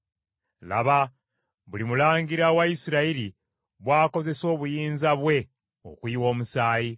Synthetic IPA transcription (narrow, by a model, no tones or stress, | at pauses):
la̰βa | βulimulaːŋɡiɾawaisiɾaiɾi | βwaːko̞ze̞so̞ːβujiːnzaβwe̞ | o̰kwiːwo̞ːmusaːji